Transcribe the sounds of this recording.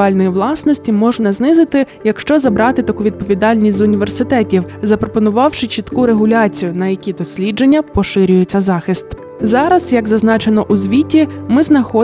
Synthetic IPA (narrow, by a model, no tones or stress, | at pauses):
ɑlʲnɔjiʋlˠɑsnɔsʲtʲimɔʒnɐznɪzɪt̪ɪjɐkʃt͡ʃɔzɐbɾɑt̪ɪt̪ɐkuʋʲid̪̚pɔʋʲid̪ɑlʲnʲisʲzʊnʲiʋersɪt̪ɛtʲiwzɐpɾɔpɔnʊʋɑwʃɪt͡ʃit̪kuɾeɦʊlʲɑt͡sʲijʊnɐjɐkʲid̪ɔsʲlʲid͡ʒe̞nʲːɐpɔʃɪɾʲʊjet͡sʲːɐzɑxɪst̪ | zɑɾɐz̥jɐɡzɐznɑt͡ʃenɔʔuzʲʋʲitʲimɪznɐxɔ